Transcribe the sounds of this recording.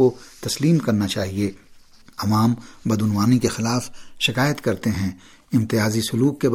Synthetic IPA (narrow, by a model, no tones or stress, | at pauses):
ot̪ɐsliːmkɐɾnat͡ʃaːɦie | ɐʋaːmbɐd̪ʊnʋaːnikexɪlaːfʃɪkaːjət̪kɐɾt̪eɦɛ̃ | ɪ̃mt̪ɪjaːzisʊluːkkːeb